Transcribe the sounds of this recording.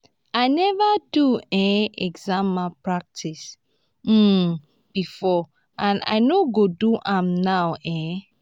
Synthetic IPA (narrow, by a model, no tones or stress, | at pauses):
aɪnɛvəduɛ̃ɛɡzãmːapɹak̚tʰis̩ | b̥ifɔ | ʔãna̰ɪnoɡoduʔãmnawɛ̃